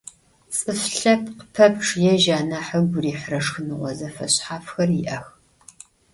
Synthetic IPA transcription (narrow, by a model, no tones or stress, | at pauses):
t͡sʼɨfɬɐpʰqə̥pʰɐpʈ͡ʂʰjɛʒaːnaħəɡʷʊriːħrɐʂxɨnɨʁʷɔzɐfɐ̰ɕʼħaːfxɐriʔɐx